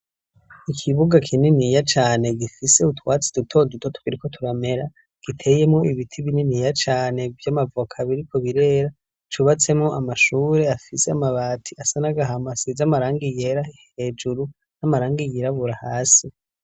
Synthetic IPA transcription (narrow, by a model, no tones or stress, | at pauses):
ikʰiβuɡakʰininijat͡ʃaːne̞ɡifise̞utwaːt͡si̥d̥utʰo̞dutʰo̞tu̥kiɾiko̞tʰuɾame̞ɾa | ɡ̥itʰe̞je̞mŋo̞iβitʰiβininijat͡ʃaːne̞vjamavokʰaβiɾikʰo̞βiɾe̞ɾa | t͡ʃuβat͡se̞mŋo̞ʔamaʃuːɾe̞afiseamaβaːtʰiasanaɡaɦamasizamaɾaːŋɡije̞ɾaihe̞d͡ʒuɾu | namaɾaːŋɡijiɾaβuɾahaːsi